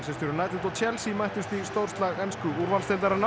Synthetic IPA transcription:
sɛst̪ɪɾʏɾnajt̪ɪt̪ɔt͡ɕʰɛlsimajht̪ʏst̪ist̪owr̥t̪laɣɛnskʏuɾvalst̪ɪlt̪aɾaɾn

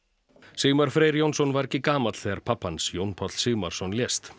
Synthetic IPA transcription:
siːmaɾ̥fɾeːɾjownsɔnvaɾɛcːɪkaːmat̪l̥θɛːɣaɾ̥pʰapːansjownpʰɔt̪l̥siːmaɾ̥sɔnljɛst̪

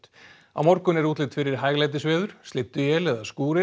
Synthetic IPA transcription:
t̪ | a̰wmɔɾkʏnɛɾuːt̪lɪt̪fɪɾɪɾ̥ɦajɣlajt̪ɪsvɛːðʏɾ̥st̪ɪt̪ːʏjɛlɛðaskuːɾɪ

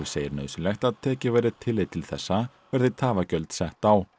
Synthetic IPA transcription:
seːjɪɾnœːðsʏlɛxt̪aðt̪ʰɛːcɪvajɾɪt̪ʰɪlːɪt̪ʰːɪlθɛsːa | vɛɾðɪt̪ʰaːvacœlt̪sɛht̪aw

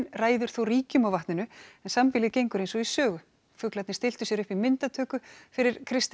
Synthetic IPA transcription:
nraːjðʏɾ̥θowriːcʏmawvaht̪nɪnʏɛnsampɪlɪðcejŋkʏɾejnsɔisœːɣʏ | fʏklat̪nɪst̪ɪl̥t̪ʏsjɛɾʏhpimɪnt̪at̪ʰœːkʏfɪɾɪɾ̥kʰɾɪst̪

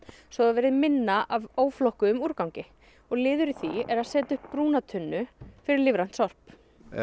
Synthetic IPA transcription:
svɔðavɛːɾɪðmɪnːaʔavoːwflɔhkʏːmuːɾkawŋcɪ | ɔɣlɪːðʏɾiθiɛɾaðsɛːt̪ʏhppːɾuːnat̪ʰʏnːʏfɪɾɪɾlɪvɾan̥t̪sɔr̥p

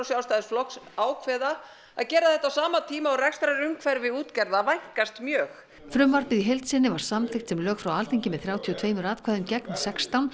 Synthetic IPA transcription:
wsjaːwst̪ajðɪsflɔksaːwkʰvɛða | a̰ðcɛːɾaθɛht̪ːasaːmat̪ʰiːmaɔɾɛkst̪ɾaɾʏmkʰvɛɾvɪuːt̪cɛɾðavajŋ̥kast̪mjœːx | fɾʏmvaɾpɪðiɦelt̪sɪnːɪvaɾ̥samt̪ɪxt̪sɛmlœːxfɾawalt̪ejɲcɪmɛðθɾaːwt̪ʰiɔt̪ʰveːjmʏɾaːðkʰvaːðʏmcɛknsɛkst̪awn

